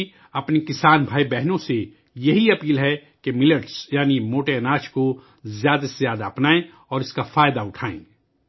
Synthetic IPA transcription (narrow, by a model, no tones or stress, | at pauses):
ɐpnekɪsaːnbʱaːibɛɦnõse | jɐɦiɐpiːlɦɛ | kemɪləʈsjaːnimoːʈeɐnaːt͡ʃko | zjaːd̪aszjaːd̪aːpnaːẽ | ɔːɾɪskafaːjd̪aʊʈʰaːḛ̃ː